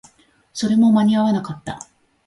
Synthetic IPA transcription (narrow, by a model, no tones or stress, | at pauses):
so̞ɾe̞mo̞maɲ̟iaβanakat̪ːa̰